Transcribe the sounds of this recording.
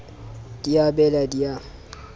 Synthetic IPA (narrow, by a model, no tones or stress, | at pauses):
d̥ijabɛladia